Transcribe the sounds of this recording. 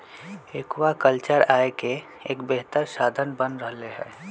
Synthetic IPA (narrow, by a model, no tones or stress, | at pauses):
ekwakəlt͡ʃəɾaːeke | eːkbeɦt̪əɾsaːd̪ʱənbənɾəɦleɦɛː